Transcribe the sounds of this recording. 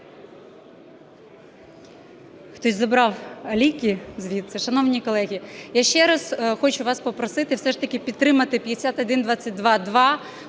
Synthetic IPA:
xt̪ɔsʲzɐbɾɑwɐlʲikʲizʋʲid̪sɛʃɐnɔwnʲikɔlˠɛɦʲijaʃt͡ʃɛɾɐsxɔt͡ʃʊʋɑspɔpɾɔsɪt̪ɪwsɛʃt̪ɐkʲɪpʲid̪t̪ːɾɪmɐt̪ɪpʲjesʲat̪ɔd̪ɪnd̪ʋɑt͡sʲːɐt̚ʲd̪ʋɑd̪ʋɑ

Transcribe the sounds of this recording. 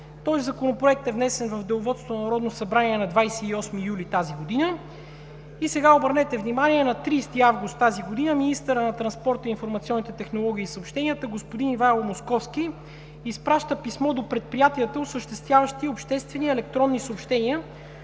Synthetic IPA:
t̪ɔzizɐkonopɾoɛk̚t̪ɛvnɛsɛnvəvd̪ɛlˠʊvɔt̪st̪onɐɾɔd̪nosɐbɾaniɛnɐd̪vajsɛiɔsmijulʲit̪aziɡod̪inə | isɛɡaobəɾnɛt̪ɛvnimanʲiɛnɐt̪ɾiːst̪iavɡust̪ːaziɡod̪inəminist̪əɾənɐt̪ɾɐnspɔɾt̪əinfoɾmɐt̪siɔnːit̪ɛt̪ɛxnolˠɔɡ̟ʲiːsəopʃt̪ɛniət̪əɡospʊd̪inivajlˠomoskɔfskiː | spɾaʃt̪əpismɔd̪opɾɛt̪̚pɾijat̪iət̪əosəʃt̪ɛst̪vʲjavəʃt̪iopʃt̪ɛst̪vɛniɛlɛk̚t̪ɾɔnːisəopʃt̪ɛniə

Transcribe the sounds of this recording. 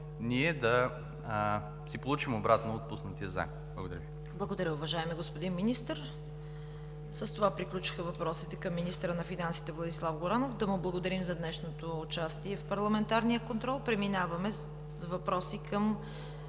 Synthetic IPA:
niɛd̪ɐ | sipolˠut͡ʃimobɾat̪noot̪̚pusnət̪iəza̰k̪̚bl̰ˠɡod̪ɐɾə̰i | blˠəɡod̪ɐɾʲəʊvɐʒaɛmiɡospod̪inminist̪əɾ | səst̪ovapɾiklʲut͡ʃi̥xəvɐpɾɔsit̪ɛkɐmːinist̪ɾənɐfinansi̥t̪ɛvlˠɐd̪islˠafɡoɾanofd̪ɐmʊblˠɐɡod̪ɐɾimzɐd̪nɛʃnot̪oːt͡ʃast̪iɛfpɐɾlˠɐmɛnt̪aɾnijəkont̪ɾɔlˠpɾɛminavɐmɛ | zvɐpɾɔsikəm

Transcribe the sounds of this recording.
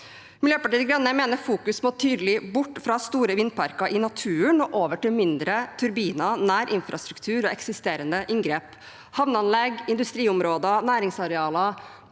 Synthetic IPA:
mɪljøːpɑʈiːəɡɾɑnːəmeːnəɾfuːkʉsmoːt̪ʰyːd̪əlɪbʊʈːfɾɑst̪uːɾəʋɪnd̪̚pʰɑɾkɑʔɪnɑt̪ʰʉːəɳɔʔoːʋəʈɪlmɪnd̪ɾət̪ʰʉɾbiːnɑnæːɾʔɪnfɾɑst̪ɾʉkt̪ʰʉːɾɔɛksɪst̪eːɾənd̪əʔɪŋɡɾeːp | hɑʋnəɑnlɛɡɪnd̪ʉst̪ɾiːʊmɾoːd̪ənæːɾɪŋsɑɾɛɑːlɑ

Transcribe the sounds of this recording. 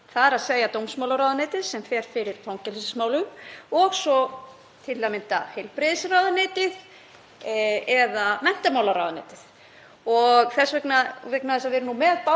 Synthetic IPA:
θaɾaðseːjat̪owmsmawlaɾaːwðanɪːt̪ɪðsɛmfɛɾ̥fɪɾɪɾ̥θʰawŋcɛlɪsɪsmaːwlʏmɔɣsɔ | t̪ʰɪlːamɪnt̪a̰hejlpɾɪðsrawðanɪːt̪ɪð | ɛðamɛn̥t̪amawlaɾawðnḛːt̪ɪð | ɔɣθɛsvɛknavɪknaθɛs̬aðvɛːɾʏnumɛðpa

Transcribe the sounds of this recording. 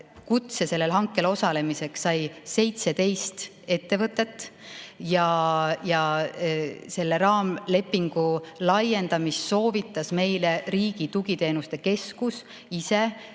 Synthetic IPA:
kut̪se̞se̞lːe̞lɦɑŋkːˑe̞lo̞sɑle̞mise̞ksːɑjse̞jt̪se̞t̪e̞jst̪ | e̞t̪ːe̞vɤt̪ːˑe̞t̪ːˑjɑjɑ | se̞lːeɾɑːmle̞pːˑiŋɡ̥ulɑje̞nd̪̥ɑmisso̞ːvit̪ːˑɑsme̞jleɾiːɡit̪uɡit̪e̞ːnust̪e̞ke̞skus | ise̞

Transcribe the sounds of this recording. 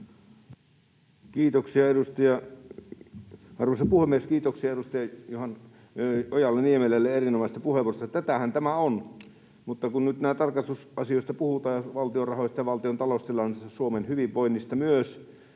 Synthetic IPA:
kiːt̪oksiɑeɾust̪ɑjɑ | ɑrʋusɑpuhemːieskiːt̪oksiɑeɾust̪ɑjɑjohɑn | ojɑlːeniemelelːeerinomɑses̆t̪ɑpuhemust̪ɑt̪æt̪æhænt̪æmæon | mut̪ːɑkunnyt̪næːt̪ɑrkɑst̪usʔɑsioˑist̪ɑpuhut̪ɑːjɑʋɑlt̪iorɑhojst̪ɑjɑʋɑlt̪iont̪ɑlost̪ilɑnisɑsuomenhyʋiʋʋoinːist̪ɑmyøs

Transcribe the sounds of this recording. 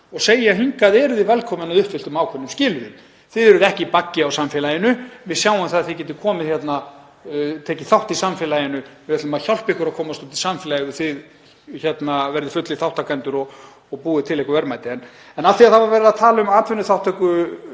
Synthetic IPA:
ɔɣseːjaɦiŋkaðɛɾðɪvɛlkʰɔːmɪnaðʏhpfɪlt̪ʏmaːwkʰɛnːʏmscɪlvɪm | θɪðɛɾʏðɛhcɪpacːɪawsamfɪlajɪnʏvɪsjaːwamθaðaθɪcɛt̪ɪkʰɔːmɪðçɛt̪na | t̪ʰeːcɪθawht̪isamfɪlajɪnʏvɛt̪lʏmaðçal̥pɪhkʏɾaðkʰɔːmast̪ut̪ɪlsamfɪlajɪðɪ̥θɪð | çɛt̪navɛɾðɪfʏt̪lɪθawht̪akʰɛnt̪ʏɾɔɣː | ɣpuːðɪt̪ʰɪlɛhkʏvɛɾmajt̪ɪɛn | ɛnalθiaðθavaɾvɛːɾɪðaðt̪ʰaːlʏmaːt̪ʰvɛnːʏθawht̪ɛhkʏ

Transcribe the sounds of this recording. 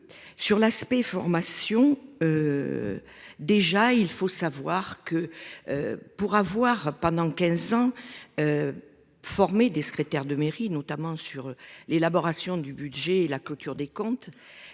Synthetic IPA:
syʁlaspɛfɔʁmasjɔ̃ø | d̪eʒailfosavwaʁkəø̰puʁavwaʁpɑ̃d̪ɑ̃kɛ̃zɑ̃ø | fɔʁmed̪esə̥kχet̪ɛʁd̪əmeʁinɔt̪amɑ̃syʁlelabɔʁasjɔ̃d̪ybyd̪ʒeːlaklɔt̪yʁd̪ekɔ̃t̪

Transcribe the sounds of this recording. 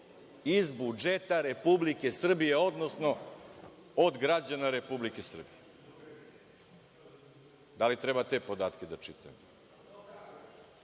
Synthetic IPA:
izbud͡ʒet̪aɾe̞publike̞sr̩bije̞o̞d̪nosno̞ | od̪ɡɾad͡ʑanaɾe̞publike̞sr̩bije | d̪alit̪ɾebat̪e̞po̞d̪aːt̪kʲed̪at͡ʃit̪ajem

